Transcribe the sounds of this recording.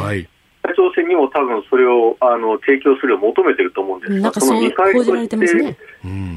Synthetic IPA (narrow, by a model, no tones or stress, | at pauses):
ait͡ɕo̞ːsẽ̞ɲ̟ːimo̞t̪abɯ̟̃ɰ̃so̞ɾe̞oano̞t̪ʰe̞ːkʲo̞ːsɨɾɯomo̞t̪o̞me̞t̪e̞iɾɯ̟t̪oːmo̞ɯ̃nd̪esɨ̥ãksonoɲikaioaɾet̪et̪e̞